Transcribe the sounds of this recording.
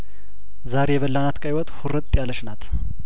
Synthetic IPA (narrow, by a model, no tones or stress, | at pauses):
zaɾejɛβəlːanat̪kʼajwɔt̪ʼhuɾət̪ʼːjalːəʃnat̪ʰ